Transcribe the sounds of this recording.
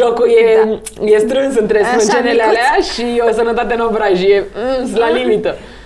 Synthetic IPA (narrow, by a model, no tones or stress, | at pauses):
ʒokuje | je̞st̪ɾɨnsɨnt̪ɾesmɨnt͡ʃenelealeaʃio̞sənət̪at̪enovɾaʒijeslalimit̪ə